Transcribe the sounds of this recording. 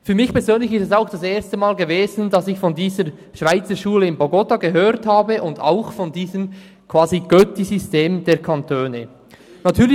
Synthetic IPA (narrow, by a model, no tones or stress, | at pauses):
fyːɐɾmɪçpɛɐzøːnlɪçɪstɛsaʊxd̥ɑseːɐstəmaːlɡəveːzn̩d̥ɑsɪçfɔndiːzəɾ | ʃv̥aɪt͡səʃuːləɪnbɔɡɔtaɡəɦøːɾthaːbəʔʊnda̰ʊxfɔndiːzəm | kʰv̥aːziɡ̥œtizysteːmdeːɐkʰantʰøːnə | natʰyːl